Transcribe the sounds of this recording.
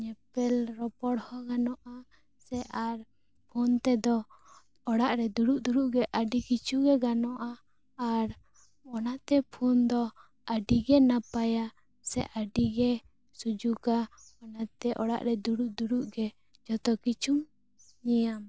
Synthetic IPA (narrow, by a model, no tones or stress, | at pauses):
ɲɛpɛlɾɔpɔɽhɔɡanɔʔa | sɛʔaɾ | pʰunt̪ɛd̪ɔ | ɔɽaʔɾɛd̪uɽuʔd̪uɾuʔɡɛʔəɖikit͡ʃʰuɡɛɡanɔʔaː | ɾ | ɔnat̪ɛpʰund̪ɔ | əɖiɡɛnapaja | sɛ̰ʔaɖiɡɛ | sud͡ʒukaɔnat̪ɛʔɔɽa̰ʔɾɛd̪uɽuʔd̪uɽuʔɡɛ | d͡ʒɔt̪ɔkit͡ʃʰum | ɲijam